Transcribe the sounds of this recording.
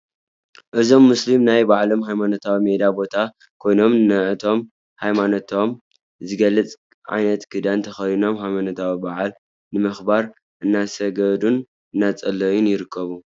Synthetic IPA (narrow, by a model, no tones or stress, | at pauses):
ʔɨzo̞mːuslimnajbaʕlo̞mɦajmanot̪ʰawimed̪abo̞t̪ʰa | kʰo̞jno̞mnɨʕɨt̪ʰo̞m | hajmanot̪ʰo̞m | zɨɡɐlːɨt͡sʼ | ʕa̰jnɐt̪kʰɨd̪ant̪ʰɐxɐjino̞mɦajmanot̪ʰawibaʕal | nɨmɨxbaɾ | ʔɨnːasɐɡɐd̪un | ɨnːat͡sʼɐlːɐjunjɪɾɨkʰːɐβu